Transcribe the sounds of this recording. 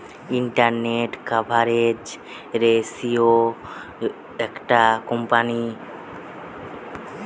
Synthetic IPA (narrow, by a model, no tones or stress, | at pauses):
iɳʈaɾneʈkabʱaɾed͡ʒ | ɾesio | ɛkʈakɔmpani